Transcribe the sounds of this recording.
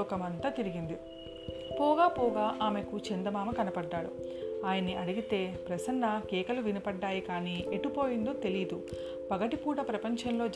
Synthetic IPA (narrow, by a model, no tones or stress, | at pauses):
ɔːkɐmɐnt̪ɐt̪iɾiɡind̪i | pɔːɡaːpɔːɡaːʔaːme̞kut͡ʃend̪ɐmaːmɐkɐnɐpɐɖːaːɽṵaːjɐnːiʔɐɽiɡit̪e̞ːpɾɐsɐnːɐkɛːkɐluʋinipɐɖːaːjikaːniːeʈːipo̞ːjind̪o̞ːt̪e̞lid̪u | pɐɡɐʈipuːʈɐpɾɐpɐɲt͡ʃɐnlo̞ːd͡ʒ